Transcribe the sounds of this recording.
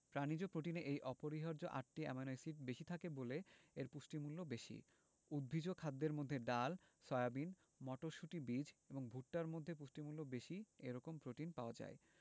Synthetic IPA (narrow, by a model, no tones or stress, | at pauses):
pɾanid͡ʑopɾoʈineʔejʔɔpoɾiɦɔɾd͡ʑoʔa̰ʈ̚ʈiɛ̰manɔjsiʈ̚beʃit̪ʰakeboleeɾpusʈimulːobeʃḭ | ud̪̚bʱid͡ʑokʰad̪ːeɾmod̪ʱːeɖal | sɔeabin | mɔʈoɾʃuʈibid͡ʑeboŋbʱuʈːaɾmod̪ʱːepuʃʈimulːobeʃieɾɔkompɾoʈinpaoad͡ʑa̰e